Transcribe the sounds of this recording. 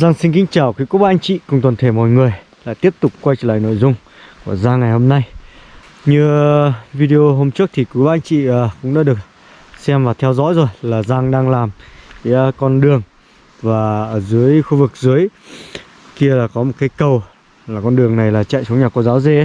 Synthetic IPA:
za˧ŋsi˧ŋ̟k̬ï˧˦ŋ̟t͡ɕaː˧˩wkwi˨˦ku˦˥ɓa˧ŋ̟t͡ɕḭ˧˨kʊ˧˨ŋ͡mt̪wə˨˩nt̪ʰe˧˩mɔ̰˧˨ŋɨ˨˩əj | la̰ː˧˨jt̪i˦˥əp̚t̪ʊ˨˩k͡p̚kwa˧jt͡ɕəː˧˩la̰ː˧˨no̰˧˨jzʊ˧ŋ͡m | ku˧˩əzaː˧ŋa˨˩jho˧mna˧j | ɲɨ˧vi˧ɗi˧ʔo˧ɦo˧mt͡ɕɨ˦˥ək̚t̪ʰi˨˩kwi˨˦ɓaː˧ʔa˧ŋ̟t͡ɕḭ˧˨əː˨˩kʊ̰˧˥ŋ͡mɗaː˧˦ɗɨ˨˩ək̚ | sɛ˧mlaː˨˩t̪ʰɛ˧wzɔ̰˧˥jzo˨˩jlaː˨˩zaː˧ŋɗaː˧ŋlaː˨˩mvḭ˧˥kɔ˧nɗɨ˨˩əŋ | vaː˨˩ʔəː˧˩zɨ˨˦əjxu˧vɨ˨˩k̚zɨ˨˦əj | ki˧əlaː˨˩kɔ˨˦mo˨˩t̚kaː˨˦jkə˨˩w | laː˨˩kɔ˧nɗɨ˨˩əŋna˨˩jlaː˨˩t͡ɕa̰ː˧˨jsə˨˦wɲaː˨˩ko˧˩zaː˨˦wze˧˦

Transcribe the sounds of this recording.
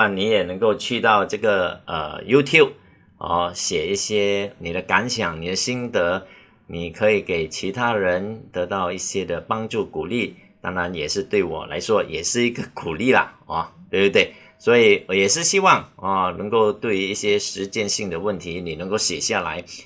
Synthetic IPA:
a˥˩nni˧˥jɛ˨˩nɤ˧˥ŋko˥˧ʊt͡ɕʰy˥˧t̪ɑ˥˧ʊʈ͡ʂɤ˥˩ɡə˩ʔə̰˧˩ju˥t̪ʰju˥˩ʊp̚ | ɔ̰˥˧˩ɕjɛ˨˩i˥˩ɕjɛ˥ni˨˩d̪ə˦ka˧˥nɕjɑ˨˩ŋni˨˩d̪ə˦ɕi˥nt̪ə˧˥ | ni˨˩kʰɤ˧˥i˨˩ke˨˩ɪt͡ɕʰi˧˥t̪ʰa˥ɻə˧˦˥nt̪ɤ˧˥t̪ɑ˥˧ʊi˥˩ɕjɛ˥d̪ə˨pɑ˥ŋʈ͡ʂu˥˩ku˨˩li˥˩ | t̪a˥ŋɻa˧˥njɛ˨˩ʂɻ̩˥˧t̪we˥˩ɪwɔ̰˨˩la̰˧˥ɪʂwɔ˥jʔɛ˨˩ʂɻ̩˥˩i˧˥ɡə˧ku˨˩li˥˩lə̰˩ɔ˥˩t̪we˥˧bt̪we˥˩ɪ | swɔ˧˥i˨˩wɔ˨˧˥jɛ˨˩ʂɻ̩˥˩ɕi˥wɑ˥˩ŋɔ˥˧˩nɤ˧˥ŋko˥˧ʊt̪we˥˧ɪy˧˥i˥˩ɕjɛ˥ʂɻ̩˧˥t͡ɕjɛ˥˧nɕi˥˩ŋd̪ə˩wə˥˩nt̪ʰi˧˥ni˨˩nə˧˥ŋko˥˩ʊɕjɛ˨˩ɕja˥˩la̰˧˥ɪ

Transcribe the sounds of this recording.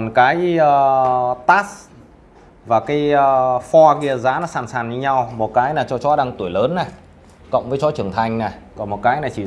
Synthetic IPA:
ɔ˨˩nkaː˨˦jəː˧t̪aː˦˥s | vaː˨˩kaː˨˦jəː˧fɔ˧ki˧˩ə˩zaː˨˦nɔ˨˦saː˧˩nsaː˧˩nɲɨ˧ɲa˧wmo˨˩t̚kaː˨˦jnaː˨˩t͡ɕɔ˧t͡ɕɔ˨˦ɗaː˧ŋt̪u˧˩əjləː˨˦nːa˨˩ | kɔ̰˧˨wŋ͡mvəː˨˦jt͡ɕɔ˨˦t͡ɕɨ˧˩əŋt̪ʰa˧jŋ̟na˨˩kɔ˨˩nmo˨˩t̚kaː˨˦jna˨˩t͡ɕi˧˩

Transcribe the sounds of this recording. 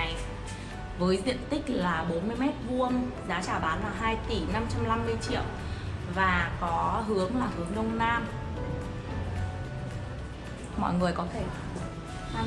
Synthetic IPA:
j | vəː˨˦jzḭ˧˨ənt̪ï˦˥k̟̚laː˨˩ɓo˨˦nmɨ˧əjmɛ˦˥t̚vu˧ənzaː˨˦t͡ɕaː˧˩ɓaː˨˦nlaː˨˩ɦaː˧jt̪i˧˩na˧mt͡ɕa˧mla˧mːɨ˧əjt͡ɕḭ˧˨əw | vaː˨˩kɔ˨˦ɦɨ˨˦əŋlaː˨˩hɨ˨˦əŋnə˧wŋ͡mnaː˧m | mɔ̰˧˨jŋɨ˨˩əjkɔ˨˦t̪ʰe˧˩˨

